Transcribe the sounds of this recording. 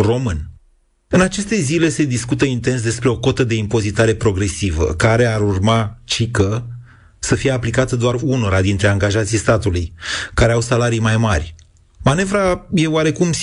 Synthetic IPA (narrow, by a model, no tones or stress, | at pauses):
ro̞mɨn | ɨnat͡ʃe̞st̪e̞zile̞se̞d̪iskut̪əint̪e̞ns̬d̪e̞spɾe̞o̞ko̞t̪əd̪e̞impo̞zit̪aɾe̞pɾo̞ɡɾe̞sivə̰kaɾe̞aɾurmat͡ʃikə | səfije̞aplikat̪əd̪oaruno̞ɾad̪int̪ɾe̞aŋɡaʒat̪sijst̪at̪ulujkaɾe̞awsalaɾijmajmarʲ | mane̞vɾaje̞oaɾe̞kums